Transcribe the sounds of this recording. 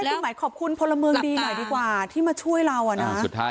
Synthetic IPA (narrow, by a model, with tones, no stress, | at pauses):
a˥˩si˨˩maː˩˦jkʰɔː˨˩p̚kʰu˧npʰo˧lːa˧mɯ˧əŋdiː˧nɔ˨˩jdiː˧kwaː˨˩t̪ʰiː˥˩maː˧t͡ɕʰu˥˩əjɾa˧wʔa˨˩na˦˥˨